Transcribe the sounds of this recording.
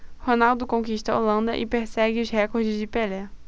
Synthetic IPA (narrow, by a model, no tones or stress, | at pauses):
honawd̪ʊkõkiʃt̪ɐo̰lɐ̃nd̪ɐ̰ʔɪ̰peɾsɛɡɪʊzhɛkoɾd͡ʒɪzd͡ʒɪpelɛ